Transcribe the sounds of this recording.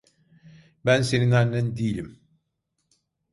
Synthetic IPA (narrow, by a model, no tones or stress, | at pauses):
bænse̞ninæɾnænd̪ijlʲim